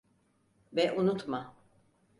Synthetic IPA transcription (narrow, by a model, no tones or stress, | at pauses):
vɛʔunut̪ma